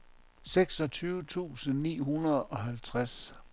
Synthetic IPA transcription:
seɡ̥sɒ̽t͡sʰyːʊət͡sʰṵːsən̩nḭːɦunɐð̩ˠɒ̽ɦælt͡sʰʁas

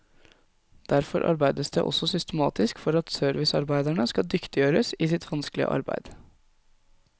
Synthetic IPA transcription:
d̪̥æɾfɔɾʔɑ̰ɾbæɪd̪əsd̪ḛːʔɔ̰sɔsʏst̪əmɑːt̪ɪskfɔɾɑt̪søːɾʋɪsɑɾbæɪd̪æɳəskɑd̪ʏkt̪ɪjøːɾəsiːsɪt̪ʰʋɑnsklɪ̰ə̰ʔɑ̰ɾbæ̰ɪd̪̥

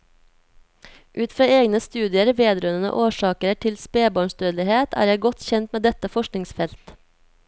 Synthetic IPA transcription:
ʔʉːt̪fɾɑːeːɡnəst̪ʉːd̪ɪəɾʋeːd̪ɾœənə̰ʔoːʃɑːkəɾəʈʰɪlspeːbɑːɳst̪øːd̪lɪheːt̪ʰæ̰ːɾjæɡɔt̪çɛnt̪meːd̪ɛt̪əfɔʃknɪŋsfɛlt̪

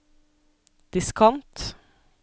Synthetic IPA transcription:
d̪̥ɪskʰɑnt̪

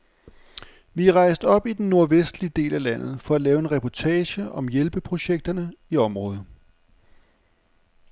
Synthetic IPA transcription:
ʋiæʁɑ̈ɪsd̥ɒ̽b̥id̥enːo̝ɐʋesd̥lid̥e̝̰ːlælæn̰ð̞̩ˠfɒ̽ælɛːʊe̝nʁɛpʰɒt͡sʰɛːɕəɒ̽mjelb̥əpʰʁo̝ɕeɡ̥̚d̥ɐnəiɒ̽mʁɔ̽ːð̞̩ˠ

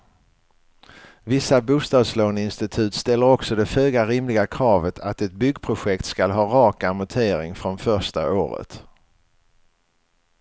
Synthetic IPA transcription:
vɪsːabuːst̪ɑːd̪sloːnɪnst̪ɪt̪ʰʉ̟ːt̪st̪ɛlːəɾɔksɔd̪ɛføːɡaɾɪmlɪɡakʰɾɑːvət̪ʰat̪ɛt̪̚bʏɡpʰɾʊɧɛkt̪skalɦɑːɾɑːkamʊt̪ʰeːɾɪŋfɾɔnfœʂʈa̰oːɾə̰t̪

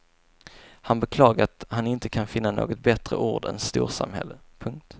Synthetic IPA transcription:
hanbɛkʰlɑːɡaɾat̪hanɪnt̪əkʰanfɪnːano̰ːɡɔt̪̚bɛt̪ɾə̰ʔuːɖɛ̰nst̪uːɾsa̰mhɛ̰lːəpʰɵŋk̚t̪

